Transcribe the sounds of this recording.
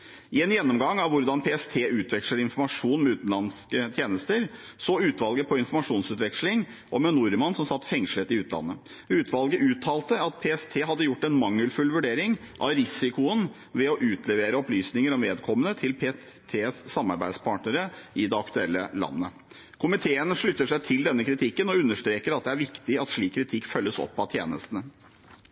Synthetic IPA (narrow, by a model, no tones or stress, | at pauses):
ɪɛnjɛnːɔmɡɑŋːɑʋʋʊɾd̪ɑnpʰeːɛst̪ʰeːʔʉːt̪ʰʋɛkʂləɾɪnfɔɾmɑʂuːnmɛʉːt̪nlɑnskət̪ʰjeːnəst̪əɾ | soːʉːt̪ʋɑlɡəpʰɔɪnfɔɾmɑʂuːnsʉːt̪ʋɛkʂlɪŋ | ʔɔmɛnʊɾmɑnsɔmsɑt̪ːfɛŋʂl̩ət̪ɪʉːt̪ʰlɑ̰nːə | ʉːt̪ʰʋɑlɡəʔʉːt̪ʰːɑːlt̪əɑt̪̚pʰeːɛst̪ʰeːɦɑd̪ːəjʊʈːɛnmɑŋːəlfʉlʋʉɖeːɾɪŋ | ʔɑ̰ʋɾɪsɪkʊən | ʋɛɔʔʉːt̪ʰlɛʋeːɾəɔplyːsnɪŋəɾɔmʋeːd̪kʰɔmːənət̪ʰɪlpʰeː | t̪ʰeːsːɑmːɑɾbæɪd̪spʰɑːʈnəɾəʔɪd̪ɛɑkt̪ʉɛlːəlɑ̰nːə | kʰʊmɪt̪ʰeːənʂɭʏt̪ːəʂæɪt̪ʰɪld̪ɛnːəkʰɾɪt̪ʰɪkːənɔʉnːəʂt̪ɾeːkəɾɑt̪̚d̪ɛæɾʋɪkt̪ɪɑt̪ʂɭiːkʰːɾɪt̪ʰɪkːfœlːəsɔ̰pːɑt̪ʰjḛːnə̰st̪ənə